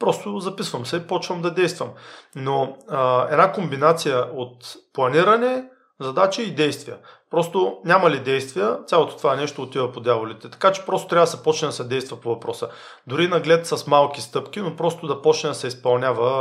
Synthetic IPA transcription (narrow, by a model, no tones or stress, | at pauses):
pɾɔst̪ozɐpisvɐmsɛipɔt͡ʃvəmd̪ɐd̪ɛjst̪vɐmnoəɛ̰d̪nakombinat̪sijəʔot̪plˠɐniɾɐnɛ | zɐd̪at͡ʃiːd̪ɛjst̪vijə | pɾɔst̪onʲamɐlid̪ɛjst̪vijət̪ʲalˠot̪o̥t̪o̥vaɛnɛʃt̪oːt̪ivɐpod̪ʲjavolit̪ɛt̪ɐ̥kat͡ʃɛ̥pɾɔst̪ot̪ɾavɐd̪sɛpɔt͡ʃnɛd̪ɐsɛd̪ɛjst̪vɐpovɐpɾɔsə | d̪ʊɾinɐɡlɛt̪sɐsmalˠkʲist̪ɤpk̟ʲinopɾɔst̪od̪ɐpɔt͡ʃnɛd̪ɐsɛispɐlˠnʲavɐ